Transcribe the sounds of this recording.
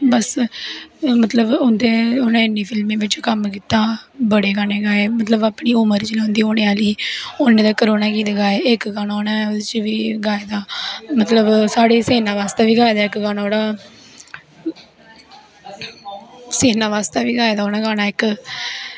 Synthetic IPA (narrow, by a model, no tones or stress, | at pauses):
bəs | mət̪ləbʊnd̪eːʊnãːɪnːiːpʰɪlmẽːʋɪt͡ʃkəmkiːt̪aːbəɽeːɡaːnẽːɡaːeːmət̪ləbaːpɳiːʊməɾd͡ʒlãːʊ̃nd̪iːoːnẽːaːliːʊnẽːd̪aːkəɾoːnaːkiːd̪ɡaːeːɪkɡaːnaːoːnãːt͡ʃʋiːɡaːeːd̪aːmət̪ləbsaːɽeːseːnãːʋaːst̪eːʋiːɡaːed̪aːɪkɡaːnaoːɽaː | seːnãːʋaːst̪aːʋiːɡaːeːd̪aːoːnãːɡaːnaːɪk